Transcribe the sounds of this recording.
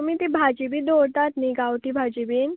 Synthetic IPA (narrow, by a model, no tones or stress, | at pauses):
omit̪ibʱad͡ʑibid̪oɾt̪at̪niɡawʈ̪ibʱad͡ʑibiːn